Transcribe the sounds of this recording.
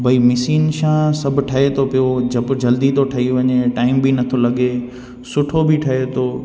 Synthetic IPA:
bʱɐimɪsiːnʃãsɐbʱʊʈʰɐɦet̪ʰopijod͡ʑɐbɪd͡ʑɐld̪it̪ʰoʈʰɐɦiʋɐɲeʈaːɪmbinɐt̪ʰolɐɠe | sʊʈʰobɪʈʰɐɦet̪ʰoː

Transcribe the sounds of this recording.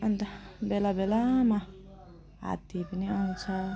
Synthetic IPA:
ʌnt̪ʌbelabelama | ɦa̰t̪ipʌniʌw̃t͡sʰʌ

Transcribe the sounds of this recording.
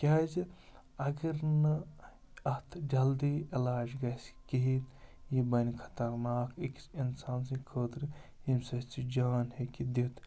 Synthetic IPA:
kʲaːzi | ɐɡɐɾnɐ | ɐht̪ʰd͡ʒɐld̪iːilaːd͡ʒɡɐskiɦit̪jibɐnʲkʰɐ̥t̪ɐɾnaːkiksinsaːnsĩkʰəːt̪ɾihimsɐt͡sid͡ʒaːnhekid̪it̪

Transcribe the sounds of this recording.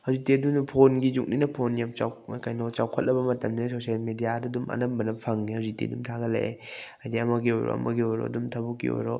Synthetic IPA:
hawzik̚teɐdunpʰonɡid͡ʒuk̚ninɐpʰonjap̚t͡ʃawkajnɔt͡ʃawkʰɐt̚lɐbɐmɐtɐmdɐsosialmedijadɐdumɐ̰nɐmbɐnɐpʰaŋnihawzik̚tḛdumtʰaɡɐlḛʔeajdiɐmɐɡiojɾo̰ɐ̰mɐ̰ɡiojɾo̰ɐdumtʰɐbukːḭo̰jɾo

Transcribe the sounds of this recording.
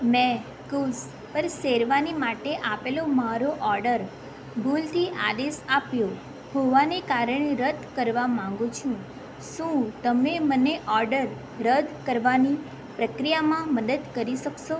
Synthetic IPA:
mɛ̃ | kus | pəɾseɾʋanimaʈeʔapelomaɾoʔɔɾɖəɾ | bʱult̪ʰiʔa̰d̪esapjo | hoʋanekaɾəɳ̃eɾəd̪ʱkəɾʋamãŋɡũt͡ʃʰũ | ʃũt̪əmeməneʔɔɾɖəɾ | ɾəd̪ʱkəɾʋani | pɾəkɾijamãməd̪əd̪kəɾiʃəkʃo

